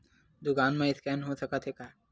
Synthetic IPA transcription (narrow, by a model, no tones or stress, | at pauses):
d̪ʊkaːnmẽɪskɛːnɦosɐkat̪ʰɦeka